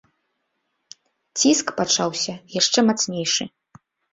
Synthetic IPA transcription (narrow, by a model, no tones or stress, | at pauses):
t͡sʲiskpat͡ʂawsʲɐjaʂt͡ʂɛmat̪snʲejʂɨ